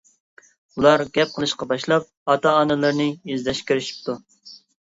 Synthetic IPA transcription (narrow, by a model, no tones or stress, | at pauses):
ulˠɑɾɡʲɛp̚qʰəlˠɨʃqɑbɑʃlˠɑp̚ɑt̪ɑːnɨlˠɨɾnɪjezlɛʃkʲiɾɪʃi̥p̚t̪ʰu